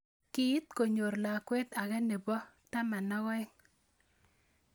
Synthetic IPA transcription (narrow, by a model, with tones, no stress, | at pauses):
kɪ˦ɪ˦t̚ko˨ɲo˨ɾla˨kwe˦t̪a˨kɛ˦ne˨bɔ˦ | ta˦ma˨nɔ˦ɣɔ˦ɪ˦ŋ